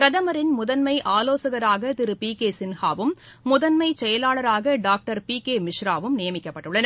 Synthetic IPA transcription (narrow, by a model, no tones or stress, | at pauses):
pɾɐðɐmɐɾɪnmʊðɐnmɐɪʔaːloːsɐɣɐɾaːɣɐt̪ɪɾɯpiːkeːsɪnhaːʋɯmː | ʊðɐnmɐɪt͡ʃɛjɐlaːɭɐɾaːɣɐɖaːk̚ʈɐɾpiːkeːmɪʂɾaːʋɯmnɪjɐmɪkːɐpːɐʈːɯɭːɐnɐ